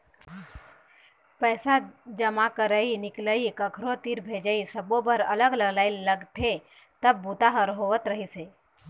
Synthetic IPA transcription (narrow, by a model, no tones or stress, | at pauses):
pəːsad͡ʒəmakəɾəinɪkləikəkʰɾot̪iɾbʱed͡ʒəisəbobəɾə̰ləɡləɡlaːɪilləɡt̪ʰe | t̪əb̚ːut̪aɦəɾɦoʋət̪ɾəɦise